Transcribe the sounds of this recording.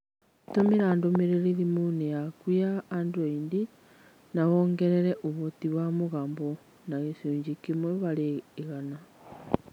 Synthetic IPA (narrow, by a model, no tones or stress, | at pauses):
tomeɾaːndomeɾeɾeɾimunejakwiaːnduaindi | naβoŋɡɛɾɛɾɛʔoβotiβwamoɣaːmbo | naɣesoːɲd͡ʒikimwɛβaɾeːɣana